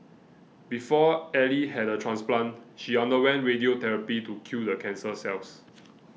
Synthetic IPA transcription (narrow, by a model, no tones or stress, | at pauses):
bifɔɛliɦɛdətʰɹãnsplãnʃiɔ̃ndəwɛ̃nɹediotɛɹəpitukʰjudəkʰɛ̃nsəsɛls